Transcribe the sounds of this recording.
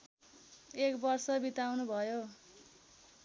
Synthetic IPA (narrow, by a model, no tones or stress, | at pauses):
ekbʌrsʌbit̪awnubʱʌjo